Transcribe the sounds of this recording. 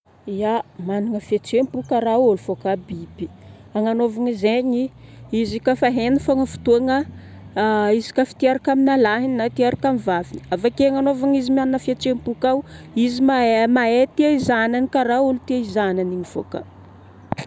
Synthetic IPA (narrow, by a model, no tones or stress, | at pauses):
iamaniŋəfet͡sempukaɾaolufokabibi̥ | aŋanovaŋizeɲiizikafaɦenifaŋəfu̥t̪uaŋə | izi̥kafi̥t̪iaɾakaminalaɦinnat̪iaɾakamivavini̥avakeaŋanovaŋizimianinəfet͡ʃempukawizimamaet̪iaizananikaɾaulut̪iaizananiɲifo̰ka